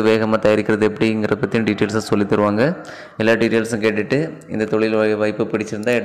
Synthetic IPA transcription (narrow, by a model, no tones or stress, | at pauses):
ɯʋeːɣɐmaːt̪ɐjɐɾɪkːɪɾɐðɯɛpːɐɽiɪŋɡɪɾɐpɐt̪ːɪjʊ̃ɖɪʈːeːlsasɔlːɪt̪ːɐɾɯʋaːŋɡɐ | ɛlːaːɾɖɪʈːeːlsɐ̃keːʈːɪʈːɯ | ɪ̰nd̪ɐt̪ɔɭɪlʋɐɪpːɯpɪɽɪt͡ʃːɪɾɯnd̪ãːɛ